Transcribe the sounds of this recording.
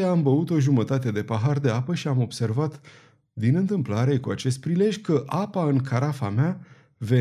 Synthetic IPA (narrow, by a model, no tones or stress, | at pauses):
eambəut̪o̞ʒumət̪at̪e̞d̪e̞paɦard̪e̞apəʃiamo̞bse̞rvat̪ | d̪inɨnt̪ɨmplaɾe̞kuat͡ʃe̞st̪̚pɾile̞ʒʲkəʔapaɨŋkʰaɾafamea | ve̞